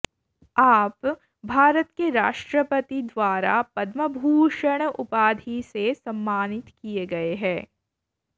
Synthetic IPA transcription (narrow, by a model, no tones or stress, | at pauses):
aːp | bʱaːɾət̪keɾaːʃʈɾəpət̪id̪ʋaːɾa̰pɐd̪məbʱuːʃəɽ̃ʊpaːd̪ʱisesɐ̃mːaːnɪt̪kieɡɐeɦɛ̃ː